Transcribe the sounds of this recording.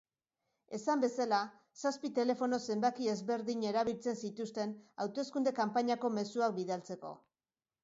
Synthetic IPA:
e̞sambe̞sala | saspit̪e̞le̞fo̞no̞se̞mbakie̞zβe̞ɾðiɲe̞ɾaβ̞ilt͡se̞nsit̪ust̪e̞nawt̪o̞skund̪e̞kampaɲako̞me̞suak̚biðalt͡se̞ko̞̰

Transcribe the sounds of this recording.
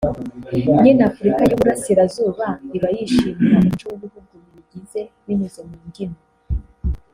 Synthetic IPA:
ɲinafuɾikajuβuɾasiɾazuːβaiβajiʃiːmiɾamunt͡ʃuβuβuɡuβiiɟize̞wiɲuzomiːŋɡino

